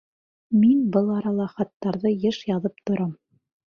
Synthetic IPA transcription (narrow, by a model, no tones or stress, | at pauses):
minbɤlˠɑɾɑlˠɑχɑt̪ːɑɾðɤjɤʃjɑðɤp̚t̪ŏɾɑm